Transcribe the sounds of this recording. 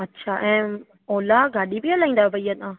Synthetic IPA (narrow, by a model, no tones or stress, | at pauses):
ɐtːʃʰaːʔɛ̃ː | oːlaɡaːɗibialaːĩːnd̪aɦebəijat̪ãː